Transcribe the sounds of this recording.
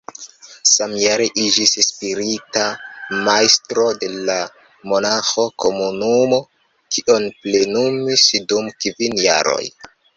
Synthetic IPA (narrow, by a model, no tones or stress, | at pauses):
samjaɾeʔid͡ʒisspiɾitamajstɾo̞de̞la | mo̞naxo̞ko̞munumo̞ | kiʔonple̞numisdumkvinja̰ɾo̰j